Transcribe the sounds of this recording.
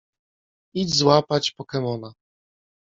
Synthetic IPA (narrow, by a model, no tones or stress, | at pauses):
id͡ʑzwapat͡ɕpɔkɛmɔna